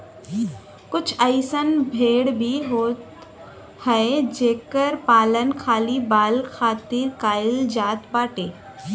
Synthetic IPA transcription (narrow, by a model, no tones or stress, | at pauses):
kʊt͡ʃʰəɪsənbʱeːɽbʱiɦoːt̪ | həed͡ʒeːkəɾpaːlənkʰaːlibaːlkʰaːt̪iɾkaːɪld͡ʒaːt̪baːʈeː